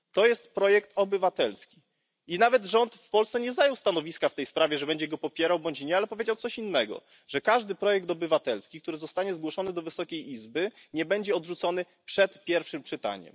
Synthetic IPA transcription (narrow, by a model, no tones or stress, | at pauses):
t̪ɔjɛst̪pɾɔjɛkt̪ɔbɘvat̪ɛlskʲi̥ | inavɛd̪ʐɔnt̪fpɔlssɛɲɛzajɔwst̪anɔvʲiskaft̪ɛjspɾavʲɛʐɛbɛɲd͡ʑɛɡɔpɔpʲjɛɾawbɔɲt͡ɕɲɛalɛpɔvʲjed͡ʑawt̪sɔɕinːɛɡɔ̰ | ʐ̥ɛkaʐd̪ɘpɾɔjɛkt̪ɔbɘvat̪ɛlskʲikt̪uɾɘzɔst̪aɲɛzɡwɔʂɔnɘd̪ɔvɘsɔkʲejʔizbɘɲɛbɛɲd͡ʑɛɔd̪ʐut̪sɔnɘ | pʂɛt̪pʲjɛɾfʂɘmpʂɘt̪a̰ɲɛ̰m